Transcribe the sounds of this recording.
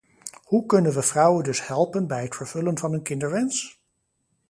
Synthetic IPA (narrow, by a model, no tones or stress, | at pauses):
hukɵnənʋəv̥rʌwəndɵshɛlˠpənbɛjɦətfəɹv̥ɵlənvɑnɦɵnkɪndəɹʋɛns